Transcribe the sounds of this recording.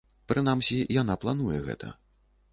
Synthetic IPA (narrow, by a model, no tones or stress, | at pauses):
pɾɨn̪amsʲijanaplˠanujɛ̰ɣɛ̰t̪ɐ̰